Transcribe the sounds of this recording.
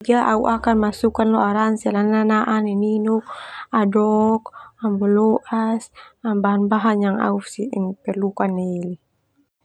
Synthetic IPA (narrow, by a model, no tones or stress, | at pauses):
d͡ʒaʔauʔakanmasukanlɔaɾansɛlananaʔanɛninuk̚adɔkambɔlɔʔasambaɦanbaɦanjaŋa̰usiŋpɛrlukanːeili